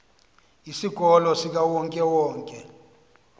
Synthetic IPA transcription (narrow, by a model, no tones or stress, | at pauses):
isiɡ̥ʱɔlɔsik̬awɔŋkʼɛwɔːŋkʼɛ̰